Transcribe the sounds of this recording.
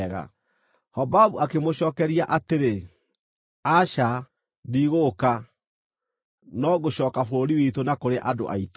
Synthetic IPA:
ɣa̰ | hɔbabuakemoɕɔːkɛɾiaʔateɾe | aʃa | diɣoka | nɔɣoɕɔːkafoɾoɾiwitonakoɾeʔado̰ʔa̰ito

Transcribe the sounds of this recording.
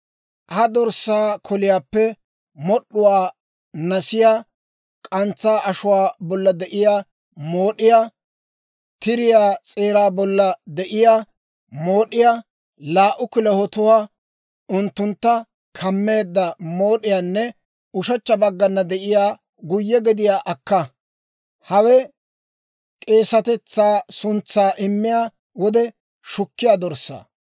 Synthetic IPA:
hɐd̪ɔɾsːaːkʰɔlɪjaːpːɛ | mɔɗːʊwaː | nɐsɪjaː | kʼɐnt͡sːaːʔɐʃʊwaːbɔlːɐd̪ɛʔɪjaː | mo̞ːɗɪjaː | t̪ɪɾɪjaːt͡sʼeːɾaːbɔlːɐd̪ɛʔɪjaː | moːɗɪjaː | laːʔʊkɪlɛhɔt̪ʊwaː | ʊnt̪ːʊnt̪ːɐ | kʰɐmːe̞ːd̪ːɐmo̞ːɗɪjaːnːɛ | ʊʃɐt͡ʃːɐbɐɡːɐnːɐd̪ɛʔɪjaː | ɡʊjːɛɡɛd̪ɪjaːʔɐkːɐ | hɐwɛ | kʼe̞ːsɐt̪ɛt͡sːaːsʊnt͡sːaːʔɪmːɪjaː | wɔd̪ɛ | ʃʊkːɪjaːd̪ɔɾsːa̰ː

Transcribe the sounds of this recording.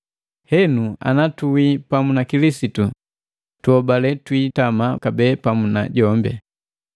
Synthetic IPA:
hɛnua̰natuwipamunakilisitu | tuɔbalɛtwiːtamakabɛːpamuna̰ɟɔmbɛ̰

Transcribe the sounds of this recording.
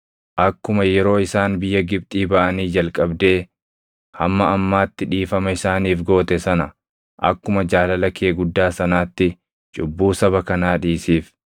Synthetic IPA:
ʔɐkːʊmɐjɛɾo̞ːɪsaːnbɪjːɐɡɪb̚t̪ʼiːbɐʔɐniːd͡ʒɐlkʼɐbd̪e̞ː | hɐmːɐɐmːaːt̪ːɪᶑiːfɐmɐɪsaːniːfɡo̞ːt̪ɛsɐnɐ | ʔɐ̰kːʊmɐd͡ʒaːlɐlɐkeːɡʊd̪ːaːsɐnaːt̪ːɪ | t͡ʃʼʊbːuːsɐβɐkɐnaːᶑiːsiːf

